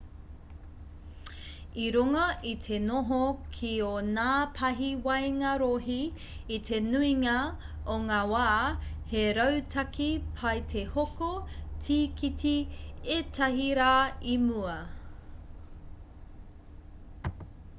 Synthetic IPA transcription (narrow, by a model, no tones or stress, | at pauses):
iɾuŋɐʔit̪ʰe̞noɦokʰionaːpʰɐɦiwɐjŋɐɾoɦiː | tʰe̞nuiŋɐ | oŋaːwaːheɾɐwtʰɐkʰipʰɐjtʰehokotʰiːkʰitʰietʰɐɦiɾaːimuɐ